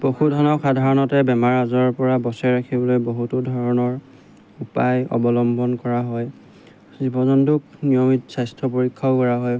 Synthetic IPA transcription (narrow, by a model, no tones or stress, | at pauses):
b̥ohudʱɔnɔxadʱaɹɔnɔtɛbɛmaɹazɔɹpɔɹabɔsɛɹakʰibɔlojboɦutudʱɔɹɔnɔɹ | upajɔ̰bɔlɔmbɔnkɔɹaɦɔj | zibɔzɔntuk̚nijɔmitsajstʰɔpoɹikʰːɔkɔɹaɦɔj